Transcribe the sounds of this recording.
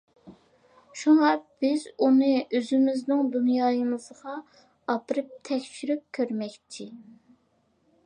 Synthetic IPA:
ʃuŋɑb̥ɪz̥unɨøzɪmɪznɪŋd̪unjɑːjɨmɨzʁɑ | ɑpɨɾɨp̚t̪ʰɛkʲʃyɾyp̚kʲʰøɾmɛkʲt͡ʃ̪ʰɪ

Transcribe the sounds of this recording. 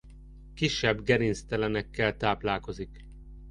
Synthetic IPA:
kiʃːɛbɡɛɾinst̪ɛlɛnɛkːɛlt̪aːplaːlko̞zik

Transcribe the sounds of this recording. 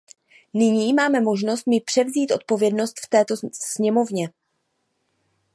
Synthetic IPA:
nɪɲiːmaːmɛmo̞ʒno̞st̪̚mɪpr̥ɛvziːt̪ʔo̞̰t̪̚po̞vjɛdno̞st̪ft̪ɛːt̪o̞sɲɛmo̞vɲɛ

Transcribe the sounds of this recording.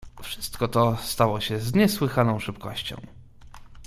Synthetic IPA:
fʂɘst̪kɔt̪ɔst̪awɔɕɛzɲɛswɘxanɔ̃w̃ʂɘpkɔ̰ɕt͡ɕɔ̰̃w̃

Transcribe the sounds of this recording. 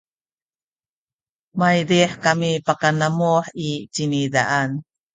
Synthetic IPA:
majdiħkamipakanamuħit͡ɕinida̰ʔan

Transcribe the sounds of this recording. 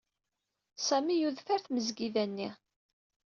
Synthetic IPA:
sæmijuðfæɾθməzɡiðænːi

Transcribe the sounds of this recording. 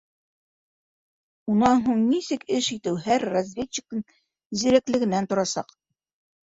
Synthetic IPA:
unɑnɦuɴnisɘkɘʃit̪ɘwhæɾːazʲvʲet͡ɕːɪ̥k̪̚ɤɴ | zĭɾæklɘ̆ɡɘ̆nænt̪ŏɾɑsɑ̰q

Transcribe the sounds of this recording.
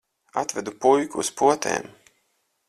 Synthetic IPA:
at̪vɛd̪upujkuːspuɔt̪ɛ̰ːm

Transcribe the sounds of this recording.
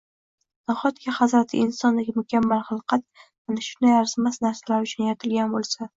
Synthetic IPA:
naχɒt̪kʲaχazɾat̪ʰɪ̰ɪnsɒnd̪aɡʲɪmʊkʲʰamːalˠχɑlˠqɑt̪̚ | anɪʃʊnd̪ajaɾzmasnaɾsalaɾʊt͡ʃʰʊnjaɾɪt̪ʰɪlɡʲanbolˠsa

